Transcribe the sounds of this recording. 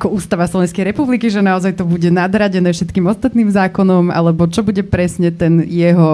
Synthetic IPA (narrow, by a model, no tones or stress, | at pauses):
akɔuːst̪aʋaslɔʋɛnskɛjɾɛpublikiʒɛnaɔzajt̪ɔbuɟɛnad̪ɾaɟɛnɛːfʃɛt̪kiːmɔst̪at̪niːmzaːkɔnɔma̰lɛbɔt͡ʃɔbuɟɛpɾɛsɲɛt̪ɛnjɛɦɔ